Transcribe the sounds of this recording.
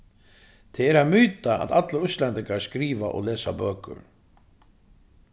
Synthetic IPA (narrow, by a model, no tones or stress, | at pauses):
t̪ʰɛɛɾaðmyːt̪aa̰ðat̪laɾʏst̪lɛnt̪ɪŋkaɾskɾiːva̰ʔɔ̰ɣlɛːsa̰bœːkʏ̰ɾ